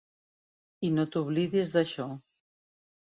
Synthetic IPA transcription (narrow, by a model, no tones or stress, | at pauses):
inot̪uβliðizðəʃɔ